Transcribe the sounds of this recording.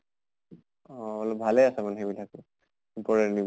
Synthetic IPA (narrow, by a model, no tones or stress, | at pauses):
ɔalɔbʱalɛasɛmanɦebilaku | upɔɹɛni